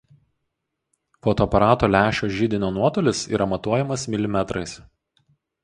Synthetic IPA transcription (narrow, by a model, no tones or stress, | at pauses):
foɔt̪oɐpɐɾɑːt̪oːlʲæːʃʲoːʒʲiːd̪ʲɪnʲoːnuɔt̪oːlʲɪsḭːɾɐmɐt̪uɔjɛmɐsmʲɪlʲɪmʲɛt̪ɾɐɪs